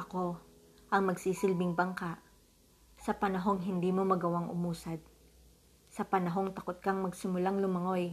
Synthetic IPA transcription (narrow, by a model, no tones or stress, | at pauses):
ʔɐko̞ | ʔɐŋmɐɡsiːsɪlbɪŋbɐŋkaʔ | sɐpɐnɐɦo̞ŋɦɪnd̪iːmo̞mɐɡɐwaŋʔʊ̰muːsɐd̪̚ | sɐpɐnɐɦo̞ŋt̪ɐkot̪̚kɐŋmɐɡsɪmʊlaŋlʊmɐŋo̞j